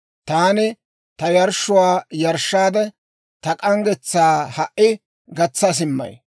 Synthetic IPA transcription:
t̪aːnɪ | t̪ɐjɐɾʃːʊwaːjɐɾʃːaːd̪ɛ | t̪ɐkʼɐŋɡɛt͡sːaːhɐʔɪ | ɡɐt͡sːɐs̬ɪmːɐ̰j

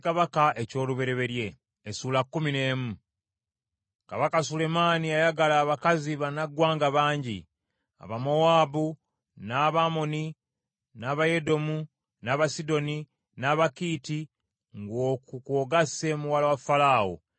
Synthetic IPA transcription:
kaβakaʔe̞co̞ːluβe̞ɾe̞βe̞ɾje̞ː | suːlakːumine̞ːmu | kaβakasule̞maːniajaɡalaːβakaziβanaɡwaːŋɡaβaːɲɟḭ | a̰βamoaːbu | naβamo̞ni | naːβaje̞do̞mu | naːβasido̞ni | naːβakiti | ŋɡo̞ːkukoːɡase̞muwalawafalaːo̰

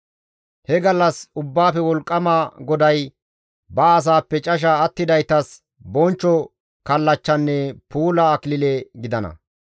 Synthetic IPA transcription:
hɛɡɐlːɐsʊbːaːfɛwɔlkʼːɐmaɡɔd̪ɐj | bɐːs̬aːpːɛt͡ʃʼɐʃ̬ɐːt̪ːɪd̪ɐjt̪ɐs | bɔnt͡ʃːɔ | kɐlːɐt͡ʃːɐnːɛpuːlɐːklɪleɡɪd̪ɐnɐ̰

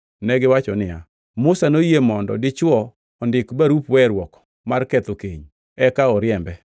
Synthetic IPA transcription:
nɛɡɪwat͡ʃɔnɪja̰ | mʊsanojemɔndɔ̰dɪt͡ʃwɔː | ndɪkbaɾupwɛɾwɔk | markɛt̪okḛɲ | ɛkaɔɾjɛmbɛ

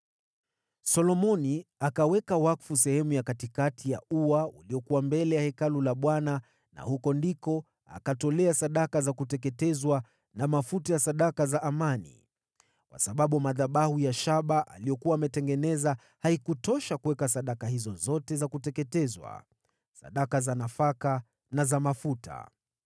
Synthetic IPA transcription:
sɔlɔmɔniakawɛkawakfus̬ɛhɛmujakatikatʰijauwauliɔkuwambɛlɛjahɛkalulaɓwana | na̰hukɔndikɔ | a̰katɔlɛasaɗakazakutɛkɛtɛzwa | namafutajasaɗakazaʔamanḭ | kwa̰saɓaɓumaðaɓahujaʃaɓaʔa̰lijɔkuwaːmɛtɛŋɡɛnɛza | haikutɔʃakuwɛkasaɗakahizɔzɔtɛzakutɛkɛtɛzwa̰ | sa̰ɗakazanafaka | nazamafutʰa̰

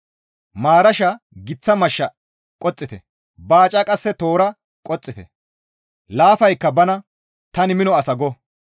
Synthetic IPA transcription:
maːɾɐʃɐ | ɡɪt͡sːɐmɐʃːɐ | kʼɔt͡sʼːɪt̪ɛ | baːt͡ʃʼɐkʼɐsːɛt̪oːɾɐ | kʼɔt͡sʼːɪt̪ɛ̰ | laːfɐjkːɐbɐnɐ | t̪ɐnɪmɪnɔɐsɐɡɔ

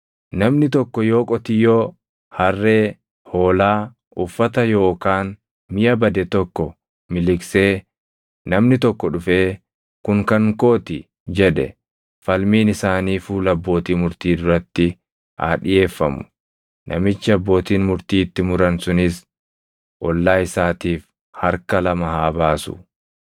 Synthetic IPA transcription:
nɐmnɪt̪ɔkːɔjo̞ːkʼɔt̪ɪjoː | hɐrːe̞ː | ho̞ːlaː | ʔʊfːɐt̪ɐjo̞ːkaːn | mɪjɐbɐd̪ɛt̪ɔkːɔ | mɪlɪkse̞ː | nɐmnɪt̪ɔkːɔᶑʊfe̞ː | kʊŋkɐŋkoːt̪ɪ | d͡ʒɛᶑɛ̰ | fɐlmiːnɪsaːniːfuːlɐbːo̞ːt̪iːmʊɾt̪iːd̪ʊɾɐt̪ːɪ | ha̰ːᶑɪje̞ːfːɐmʊ̥ | nʔɐ̰mɪt͡ʃːɪɐbːo̞ːt̪iːnmʊɾt̪iːt̪ːɪmʊɾɐnsʊnɪs | ʔɔlːaːɪsaːt̪iːf | hɐɾkɐlɐmɐhaːbaːsʊ̰

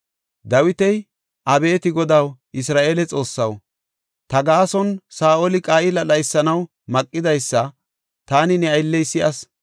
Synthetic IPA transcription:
d̪ɐwɪt̪ɛj | ʔɐbe̞ːt̪ɪɡɔd̪ɐwʔɪsɾaːʔeːlɛt͡sʼo̞ːsːɐw | t̪ɐɡaːsɔnsaːʔolɪkʼaːʔɪlɐɗɐjsːɐnɐw | mɐkʼːɪd̪ɐjsːɐ | t̪aːnɪnɛɐjlːɛjsːɪʔɐs

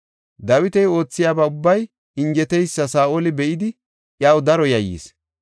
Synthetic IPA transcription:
d̪ɐwɪt̪ɛjo̞ːt͡sːɪjaːbaʊbːɐj | ɪŋɡɛt̪ɛjsːɐsaːʔoːlɪbɛʔɪd̪ɪ | ʔjaːwd̪ɐɾɔjɐjːḭːs

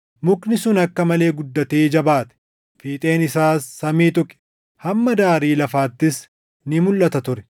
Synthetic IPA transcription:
mʊknɪsʊnɐkːɐmɐle̞ːɡʊd̪ːɐt̪eːd͡ʒɐbaːt̪ɛ̥ | fiːt̪ʼe̞ːnɪsaːsːɐmiːt̪ʊkʼɪ̥ | hɐmːɐd̪aːɾiːlɐfaːt̪ːɪs | nɪmʊlːɐt̪ɐt̪ʊɾɛ̥

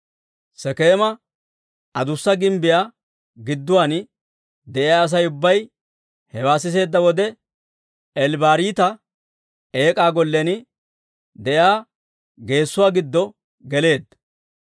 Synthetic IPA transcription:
sɛkeːmɐ | ɐd̪ʊsːɐɡɪmbɪjaː | ɡɪd̪ːʊwaːn | d̪ɛʔɪjaːɐs̬ɐjʊbːɐj | hɛwaːsɪs̬e̞ːd̪ːɐwɔd̪ɛ | ɛlbaːɾiːt̪ɐ | eːkʼaːɡɔlːɛn | d̪ɛjaː | ɡe̞ːsːʊwaːɡɪd̪ːɔ | ɡɛle̞ːd̪ɐ

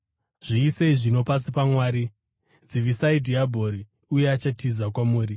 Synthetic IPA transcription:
ʐ̥iːseiʐino̞pas̬ipamwaːɾi | d͡ziʋisaidʱiabʱo̞ɾi | uje̞at͡ʃatizakwamuːɾi

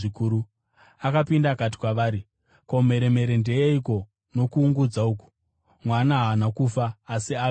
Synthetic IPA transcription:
ikuːɾu | akapindakat̬i̥kwaʋaːɾi | ko̞me̞ɾe̞me̞ɾe̞ndeeiko̞ | no̞kuːŋɡud͡zauːku̥ | mwanaɦanakufaːsia

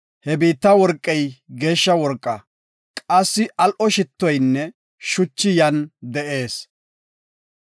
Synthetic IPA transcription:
hɛbiːt̪ːɐwɔɾkʼːɛjɡe̞ːʃːɐwɔɾkʼːɐ | kʼɐsːɪʔɐlʔɔʃɪt̪ːɔjnːɛ | ʃʊt͡ʃːɪjɐnd̪ɛʔe̞ːs

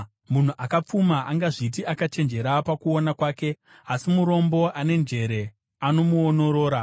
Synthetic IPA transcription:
mun̤uʔakap͡fumaʔaŋɡaʐit̬iakat͡ʃe̞nd͡ʒe̞ɾapakuo̞nakwaːke̞ | asimuɾo̞mbo̞ʔane̞nd͡ʒe̞ɾe̞ | ano̞muono̞ɾo̞ːɾa

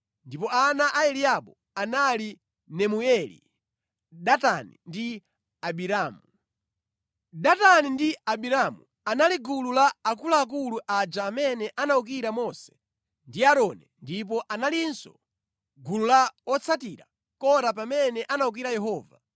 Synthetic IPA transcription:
ndipɔanaʔaɛliaɓɔ | anali | nɛmuɛlḭ | ɗatanḭndi | aɓiɾaːmu | ɗatanindiaɓiɾamu | analiɡululaːkulaːk̬uluʔad͡ʒaːmɛnɛʔanauk̬iɾamɔsɛ̥ | ndiaɾɔnɛndip̬ɔʔanalinsɔ | ɡululaɔt͡sʰatiɾa̰ | kɔɾap̬amɛnɛʔanauk̬iɾajɛɦɔːva̰

